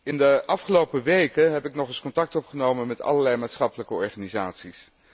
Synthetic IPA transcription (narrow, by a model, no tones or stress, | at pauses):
ɪndəʔɑfχəlowpəʋejkəɦɛpɪknɔχɪskɔntɑk̚tɔpχənowmənmɛtɑ̰ləɹlɛjmaːtsχɑpələkəɔɹχaːnizaːtsis